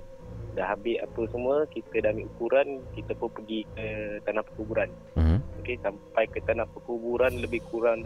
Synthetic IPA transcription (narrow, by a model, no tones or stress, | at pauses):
daɦabɪa̰pəsəmuəkit̪ədamĩukuɾankit̪əpʊnpəɡikət̪anahpə̥rkubuɾan | okesampajkət̪anahpəkubuɾanləbɪhkuɾaŋd